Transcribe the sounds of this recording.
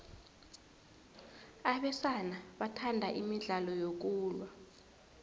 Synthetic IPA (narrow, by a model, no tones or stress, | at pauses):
aɓɛsanaɓatʰandʱaʔimiɮalɔjok̬uːlwa